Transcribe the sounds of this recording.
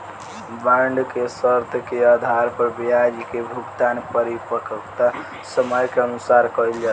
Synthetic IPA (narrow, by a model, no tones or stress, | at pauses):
baɳɖkesəɾt̪ʰkead̪ʱaɾpəɾbijad͡ʒikebʱukt̪anpəɾipəkəkt̪a | səməjkeənusaɾkəjld͡ʒa